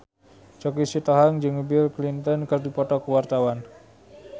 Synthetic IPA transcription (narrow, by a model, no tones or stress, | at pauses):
t͡ʃɔkisit̪ɔɦaŋd͡ʒɨŋbilklint̪ənkərdipɔʈɔkuwart̪awan